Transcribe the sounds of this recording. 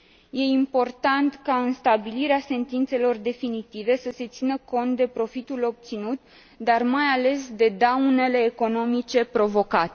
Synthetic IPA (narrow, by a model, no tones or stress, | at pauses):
je̞impo̞rt̪ant̪kaɨnst̪abiliɾease̞nt̪int̪se̞lo̞rd̪e̞finit̪ive̞səse̞t̪sinəko̞nt̪̚d̪e̞pɾo̞fit̪ulo̞b̚t̪sinut̪ | d̪armajale̞sd̪e̞d̪awne̞le̞ːko̞no̞mit͡ʃe̞pɾo̞vo̞kat̪e